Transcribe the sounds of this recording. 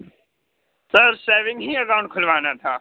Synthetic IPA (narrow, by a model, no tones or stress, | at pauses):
səɾseːʋɪ̃ŋɡɦiːəkaʊ̃ɳʈ̚kʰʊlʋaːnat̪ʰaː